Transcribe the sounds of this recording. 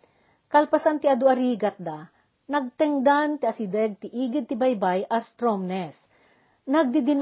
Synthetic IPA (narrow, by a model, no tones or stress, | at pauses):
kɐlpɐsant̪ɪʔɐd̪oʔɐɾiːɡɐt̪̚d̪a | nɐɡ̚t̪ɛŋd̪ant̪ɪʔɐsɪd̪ɛɡ̚t̪ɪʔiːɡɪd̪̚t̪ɪbɐjbajʔɐst̪ɾomnɛs | nɐɡ̚d̪ɪd̪ɪn